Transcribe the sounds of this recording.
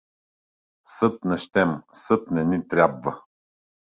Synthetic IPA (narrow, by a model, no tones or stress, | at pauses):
sɤt̪nɛʃt̪ɛmsɤt̪nɛnit̪ɾʲabvə